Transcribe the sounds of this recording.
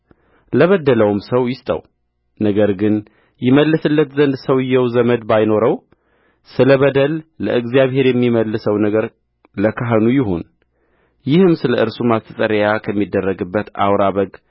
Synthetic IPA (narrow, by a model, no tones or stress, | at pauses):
ləβəd̪ːələwmsəwjɪst̪ʼə̰w | nəɡəɾɡɨn | jɪməlːɨsɨlːət̪zənd̪səwɪjːɛwzəməd̪bajno̞ɾəw | sɨləβəd̪əlːə̰ʔɨɡzijaβhe̞ɾjɛmːiməlːɨsəwnəɡəɾ | ləkʰaɦənujɪɦo̞̰n | jɪhɨmsɨləʔɨɾsumast̪ʰəsʼəɾjakʰəmːid̪ːərːəɡɨbːət̪a̰wɾaβəɡ